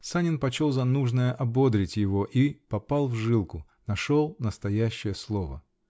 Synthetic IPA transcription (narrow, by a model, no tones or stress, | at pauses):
sanʲɪnpɐt͡ɕo̞lˠzɐnuʐnəjəʔɐbo̞d̪ɾʲɪtʲjɪvoʔipɐpɑlˠvʐɨlˠkʊ | nɐʂolˠnəst̪ɐjæɕːɪjəslˠovə̰